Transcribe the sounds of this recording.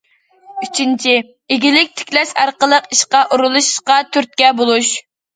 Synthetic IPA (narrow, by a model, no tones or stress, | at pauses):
yt͡ʃʰint͡ʃʰi | ɪɡʲilɪk̚ʲt̪ʰɪ̥kʲlɛʃɑɾqəlˠəqiʃqɑʔuɾulˠuʃʃqɑt̪ʰyɾt̪̚kʲɛbolˠuʃ